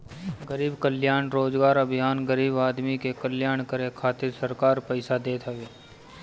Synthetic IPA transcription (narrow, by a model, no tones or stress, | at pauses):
ɡəɾiːbkəljaːɽ̃ɾoːd͡ʒɡaːɾɐbʱɪjaːnɡəɾiːbaːd̪mikekəljaːɳkəɾekʰaːt̪ɪɾsəɾkaːɾpəɪsad̪eːt̪ʰɦəʋeː